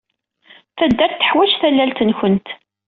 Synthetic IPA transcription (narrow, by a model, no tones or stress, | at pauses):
θæd̪ːæɾt̪ːə̥ħwæt͡ʃθælːælt̪ənçənt̪